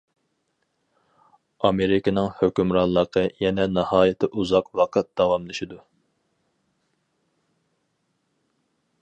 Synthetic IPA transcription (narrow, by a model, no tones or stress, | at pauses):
ɑmeɾɪkʲɪnɨŋhøkʲymɾɑnlˠːəqʰəjɛnɛnɑhɑːjɪt̪ʰɪʔuzɑqwɑqʰɑt̪̚d̪̥ɑwɑmlˠɨʃid̪u